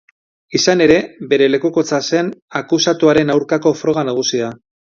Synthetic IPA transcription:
isane̞ɾe̞βe̞ɾe̞le̞kuko̞t͡sase̞nakusat̪uaɾe̞nawɾkako̞fɾo̞ɣ̞anaɣ̞usia

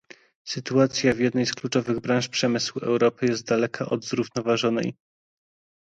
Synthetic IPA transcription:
sɘt̪uat̪sʲjavʲjɛd̪nɛjsklut͡ʂɔvɘɣbɾãʂpʂɛmɘswuɛ̰wɾɔpɘjɛst̪̚d̪alɛkʰaʔɔ̰d̪zɾuvnɔvaʐɔnɛ̰j

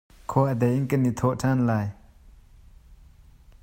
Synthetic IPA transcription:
kʰowaɦd̪ajəŋkəni̥t̪ʰoʔ̚ʈ͡ʂʰanlaj

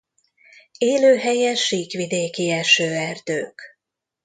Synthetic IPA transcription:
eːløːɦɛjɛʃiːkʋid̪eːkiɛʃøːɛrd̪̥øːk

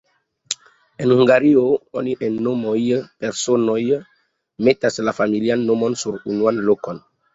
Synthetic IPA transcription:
enhuŋɡaɾiooniʔenːomojpeɾsonoj | metaslafamilianːomonsuɾunuanlokon

